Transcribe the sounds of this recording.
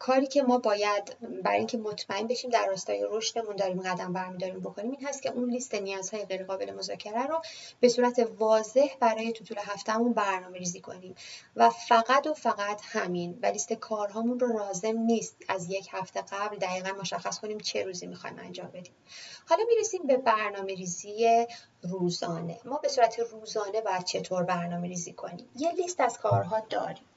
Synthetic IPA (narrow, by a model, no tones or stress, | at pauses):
kʰɒːɾiːcʰe̞mɒːbɒːjæd̪bæɾ̰iŋcʰe̞mo̞t̪ʰmæe̞nbe̞ʃiːmd̪æɾːɒːst̪ɒːjeɾo̞ʃne̞mund̪ɒːɾiːmɡæd̪æmbæɾmid̪ɒːɾiːmbo̞kʰo̞niːmiːnɦæst̪cʰʲe̞ʔunlist̪e̞nijɒːz̥hɒːje̞ɣejɾeɣɒːbe̞le̞mo̞zɒːcʰeɾæɾob̥e̞suːɾæt̪ʰe̞vɒːze̞hbæɾɒːje̞t̪ʰut̪ʰuleɦæft̪æmunbæɾnɒːme̞ɾiːziːkʰo̞̰niːmvæfæɣæd̪o̞fæɣæt̪ʰhæminvæliːst̪ekʰɒːɾɦɒːmunroɾɒːze̞mniːst̪æzje̞cʰhæft̪ʰe̞ɡæbld̪æɣiːɣænmo̞ʃæxːæskʰo̞niːmt͡ʃʰe̞ɾuːzimixɒ̰jḭmæ̰nd͡ʒɒːmbe̞d̪iːmhɒːlɒːmiːɾesiːmbe̞bæɾnɒːme̞ɾiːzije | ruːzɒːne̞̰mɒːbe̞suːɾæt̪ʰeruːzɒːne̞bɒːjæd̪̥̚t͡ʃʰe̞t̪ʰoɾbæɾnɒːme̞ɾiːziːkʰo̞̰niːmje̞list̪æz̥kʰɒːɾɦɒːd̪ɒ̰ːɾim